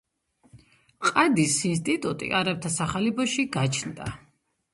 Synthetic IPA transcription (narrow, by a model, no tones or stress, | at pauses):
qʼad̪isins̬t̪ʼit̪ʼut̪ʼḭʔaɾap̚t̪ʰasaχalipʰɔʃiɡat͡ʃʰnd̪a̰